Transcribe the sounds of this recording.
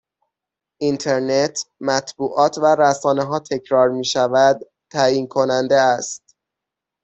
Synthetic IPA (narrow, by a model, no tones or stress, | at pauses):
ʔint̪ʰe̞ɾnet̪ʰmæt̪ʰbuːʔɒːt̪ʰvæɾæsɒːne̞ɦɒːt̪ʰe̞cʰɾɒːɾmiːʃævæd̪ | t̪ʰːæːjiːnkʰo̞nænd̪eæst̪̚